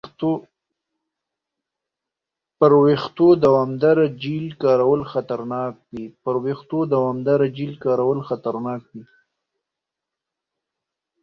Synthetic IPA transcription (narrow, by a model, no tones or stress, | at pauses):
pəɾwext̪od̪awɑmd̪aɾad͡ʒilkɑɾawəlxat̪aɾnɑk̚wipəɾwext̪od̪awɑmd̪aɾad͡ʒilkɑɾawəlxat̪aɾnɑkwi